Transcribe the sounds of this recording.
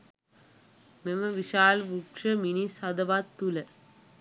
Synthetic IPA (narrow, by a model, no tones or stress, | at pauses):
meməʋiʃaːlʋukʂəminisad̪əʋat̪ːulə